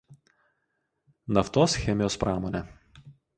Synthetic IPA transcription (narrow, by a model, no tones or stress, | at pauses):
nɐft̪oːsxʲɛmʲɪjoːspɾɑːmoːnʲɛ